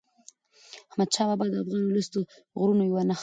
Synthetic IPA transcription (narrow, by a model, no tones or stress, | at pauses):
ahmad̪ʃɑbɑbɑd̪əafɣɑnlast̪o | ɣɾunojawanax